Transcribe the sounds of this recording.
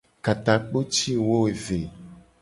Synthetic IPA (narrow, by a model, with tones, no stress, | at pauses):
ka˨t̪a˨k͡po˦t͡ʃi˦wo˦e˨ve˨